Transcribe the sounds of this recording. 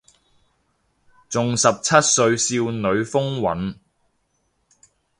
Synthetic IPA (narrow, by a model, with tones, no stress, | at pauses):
t͡sʊ˨ŋsɐ˨p̚t͡sʰɐ˥t̚sɵ˧ɥsiː˧wnɵ˨˧ɥfʊ˥ŋwɐ̰˨˥n